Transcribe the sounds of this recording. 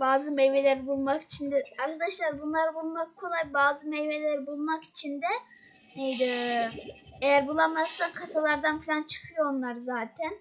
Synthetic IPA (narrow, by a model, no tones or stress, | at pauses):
baːzɯmejvelʲæɾbulˠmaki̥t͡ʃʰind̪ɛaɾkʰad̪aʃlˠaɾbunlˠaɾɯbulˠmakkʰo̞lˠajbaːzɯmejvelʲæɾbulˠmaki̥t͡ʃʰind̪ɛ | nejd̪i | ejæɾbulˠamasːankʰasalˠaɾd̪anfilʲant͡ʃʰɯ̥kʰɯjoonlˠaɾzaːt̪ʰæn